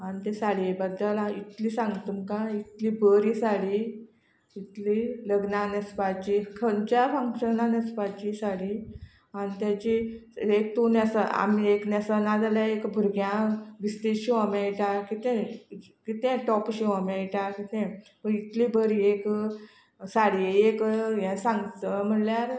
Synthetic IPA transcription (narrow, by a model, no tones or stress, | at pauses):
anit̪esaɽibəd̪ːəlait̪liːsãŋɡt̪umkãit̪liːbəɾiːsaɽi | it̪liləɡnanəspat͡ɕikʰənt͡ɕafaŋkɕənãnəspat͡ɕisaɽi | anit̪jat͡ɕiek̚t̪onjasaa̰mieknasanãd͡zaljaekbʱuɾɡjãʋist̪eɕiamjãiʈakit̪ɛ̃ | kit̪ɛ̃ʈɔpɕiamjãiʈaɾkit̪ẽpəɳit̪liːbəɾiek | saɽieekjɛ̃sãŋɡt͡səm̤əɳljaɾ